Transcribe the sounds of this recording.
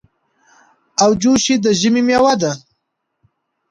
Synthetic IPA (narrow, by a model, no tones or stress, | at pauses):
awd͡ʒuʃid̪əʒɪmimjawad̪a